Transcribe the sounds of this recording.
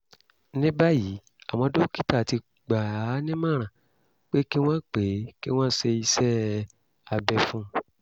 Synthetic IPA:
nĩ˦ba˦ji˨˦ | a˨w̃ɔ̃˧do˦ki˦ta˦˨ti˧ | ɡ͡ba˨a˨˦nĩ˦mã˦˨ɾ̃ã˨ | k͡pe˦ki˦w̃ɔ̃˦k͡pe˨˦ki˦w̃ã˦se˧i˧sɛ˦ | a˧bɛ˧fũ˦

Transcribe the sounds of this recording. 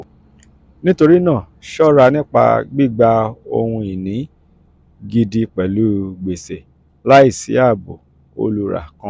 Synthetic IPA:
nĩ˦to˧ɾi˦nãː˦˨ | ʃɔ˦ɾa˧nĩ˦k͡pa̰˧ɡ͡bi˦˨ɡ͡ba˧o̰˧hũ˧i˨nĩ˨˦ | ɡi˧di˧k͡pɛ˨lu˨˦ɡ͡be˨se˨ | la˦i˦˨sḭ˨˦a˦˨bo˨ | o̰˧lu˧ɾa̰˨kã˧˦

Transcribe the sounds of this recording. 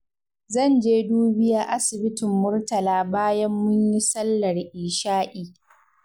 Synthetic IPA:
zɐ˦˨nd͡ʒeː˦duː˦bɪ˦jaː˦ʔa˦sɪ˨bɪ˦tɪ˨mːʊ˦rtɐ˨laː˦baː˦jɐ˦mːʊ˦ɲji˦sɐ˦lːɐ˨rʔiː˨ʃaː˦ʔiː˨

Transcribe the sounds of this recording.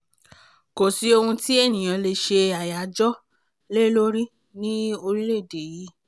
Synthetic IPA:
ko˨si˨˦o˧hũ˧ti˦e˦˨nĩ˨j̃ã˨˧le˧ʃe˧a˨ja˨˦d͡ʒɔ˦ | le˦lo˦ɾi˦ | nĩ˦o˧ɾi˦le˦˨de˨ji˨˦

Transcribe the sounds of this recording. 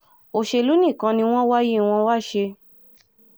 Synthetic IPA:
o˧˨ʃe˧lu˦nĩ˦˨kã˧nĩ˧w̃ɔ̃˦wa˦ji˦˧w̃ɔ̃˧wa˦˨ʃe˧

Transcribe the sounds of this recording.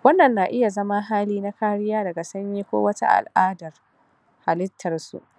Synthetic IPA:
wɐ˦nːɐ˨nːaː˨ʔɪ˦ja˨zɐ˦ma˦ɦaː˦liː˦na˦kaː˦ɽɪ˦jaː˦dɐ˨ɡa˨sɐ˦ɲjiː˦kʷo̰ː˦wɐ˦ta̰˦ʔa̰˨lʔaː˦dɐ˨r | ha˨lɪ˦tʰːɐ˨rsṵ˦˨ʔ

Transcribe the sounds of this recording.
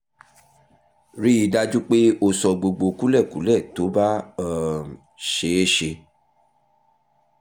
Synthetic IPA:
ɾi˦i˧˦da˦d͡ʒu˦k͡pe˦o˧sɔ˧ɡ͡bo˧ɡ͡bo˧ku˦lɛ˦˨ku˨˦lɛ˦˨to˨˦ba˦˨ | ʃe˨˦e˦ʃe˧

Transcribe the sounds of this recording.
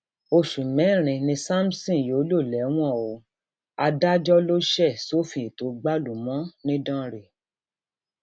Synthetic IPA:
o˧ʃũ˨mɛ̃˨˦˨ɾ̃ĩ˧nĩ˧sa˦m̩˦sĩ˦˨jo˨˦lo˦˨lɛ˨˦w̃ɔ̃˦˨o˨ | a˧da˦d͡ʒɔ˦lo˦ʃɛ˦˨so˦fĩ˧i˨to˨˦ɡ͡ba˦lu˨mɔ̃˨˦nĩ˦dã˦ɾe˨

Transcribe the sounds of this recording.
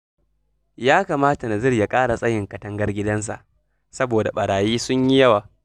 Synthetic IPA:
jaː˦kaː˨maː˦ta˨na˨zɪ˦rja˨kʼaː˦ɽa˨sʼɐ˦jɪ˨ŋkɐ˨tɐ˦ŋɡɐ˦rɡʲɪ˦dɐ˦ns̬a̰˨ʔ | sɐ˦boː˨da˨ɓɐ˨ɽaː˨jiː˦sʊ˦ɲji˦jɐ˦waː˨

